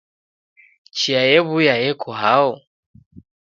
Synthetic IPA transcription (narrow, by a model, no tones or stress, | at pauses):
t͡ʃiajɛβujajɛkʰɔɦaɔ